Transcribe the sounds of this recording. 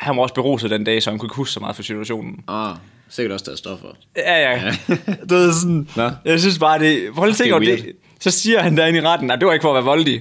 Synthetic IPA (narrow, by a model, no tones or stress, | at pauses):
hænʋɑɒ̽sb̥e̝ʁo̝̰ːsəð̩ˠd̥end̥ɛ̰ːsɒhænkʰue̝ɡ̥husɡ̥sɒmɑ̈ːðˠpʰɒ̽sit͡sʰuæɕo̝̰ːnn̩ | seɡ̥ɐdɔ̽sd̥æɐsd̥ɒfɒ | æjæ | d̥uʋeðˠsɔnjɑ̈ɪs̬ynsb̥ɑ̈ːd̥e̝ʋɒflʰe̝ŋɒde̝ | sɒ̽siːɐhænd̥æɐe̝niʁɑd̥n̩nɑɪmd̥e̝ʋɑ̈e̝ɡ̥fɒ̰ːʋæɐʋɒ̽ld̥i